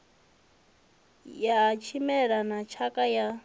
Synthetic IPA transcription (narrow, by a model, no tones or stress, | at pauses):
jat͡ʃʰimɛɺanat͡ʃʰakʼaja